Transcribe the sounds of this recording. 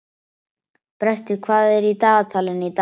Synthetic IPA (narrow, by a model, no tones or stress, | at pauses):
pɾɛst̪ɪkʰvaːðɪɾit̪aːɣat̪ʰalɪnit̪